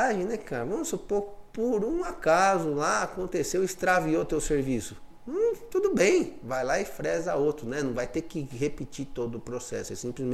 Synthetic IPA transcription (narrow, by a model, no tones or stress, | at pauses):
aʒẽnɛkaɾɐvɐ̃mʊsupopoɾũakazʊlaakõnt̪esewɪst̪ɾaviot̪ewseɾvisʊ̃ | t̪ud̪ʊbẽj̃vajlaɪfɾɛzɐowt̪ɾʊnɛnɐ̃w̃vajt̪ekɪhepit͡ʃit̪od̪ʊʊpɾosɛ̰sʊɛsĩmplɪzmẽ